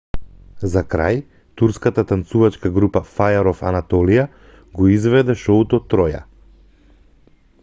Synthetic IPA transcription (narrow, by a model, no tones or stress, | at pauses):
zakɾa̰j | t̪uɾskat̪at̪ant̪suvat͡ʃkaɡɾupafajaɾɔfa̰nat̪ɔlija | ɡɔizvɛd̪ɛʃɔut̪ɔt̪ːɾɔja̰